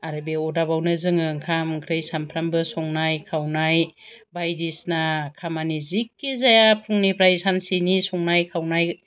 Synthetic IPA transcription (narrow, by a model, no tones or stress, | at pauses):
aɾɯbeɔdabawnɯzɯŋɯŋkʰamkʰɾɯjsampʰɾambɯsɔŋnajkʰawnajbajdisnakʰamanizikːizajapʰuŋnipʰɾajsansinisɔŋnajkʰawnaj